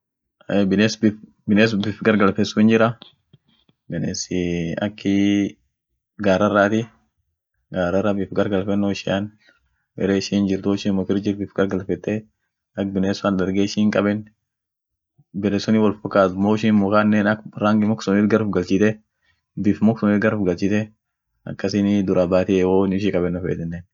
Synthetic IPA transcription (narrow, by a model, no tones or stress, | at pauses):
ebɪneːsbɪf | bɪneːs̬ʊbɪfɡɐɾɡɐlfɛsːʊɪnd͡ʒɪɾɐ | bɪnesɪɐ̰kːɪ | ɡaːɾɐrːaːt̪ɪ | ɡaːɾɐrɐbɪfɡɐɾɡɐlfɛnːɔɪʃɪan | bɛ̰ɾeːʃiːnd͡ʒɪɾt̪ʊʃɪmɔkɪɾd͡ʒɪɾbɪfɡɐɾɡɐlfɛt̪ːe | ɐk̚bɪneːsʊandɐɾɡeːɪʃiːŋkʼɐbɛn | bɛlɛsɔnɪwɔlfɔkːaːt̪mɔʃiːnmʊkaːnːeːnɐkɾaːŋɡɪmɔksɔniːt̪ɡɐɾʊfɡɐlt͡ʃɪt̪ɛ | bɪfmɔksʊniːt̪ɡɐɾʊfɡɐlt͡ʃɪt̪ɛ | ɐ̰kːɐsɪnɪd̪ʊɾabaːt̪ɪɛwonɪʃ̬ɪkʼɐbɛnːɔfḛːt̪ɛnːen